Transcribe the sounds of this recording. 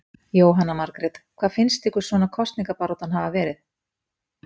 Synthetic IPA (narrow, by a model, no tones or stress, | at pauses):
joːwɦanːamaɾkɾɛt̪kʰv̥aːðfɪnst̪ɪhkʏɾ̥svɔːnakʰɔst̪niŋkapaɾɔt̪anhavavɛːɾɪθ